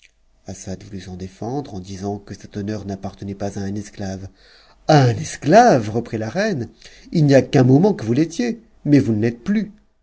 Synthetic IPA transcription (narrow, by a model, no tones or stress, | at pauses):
asad̪vulysɑ̃d̪efɑ̃d̪ʁɑ̃d̪izɑ̃kəsɛt̪ɔnœʁnapaʁt̪ənɛpazaɛ̃nɛsklav | aɛ̃nɛsklavʁəpχilaʁɛnilnijakɛ̃mɔmɑ̃kəvulet̪je | mɛvunlɛt̪̚ply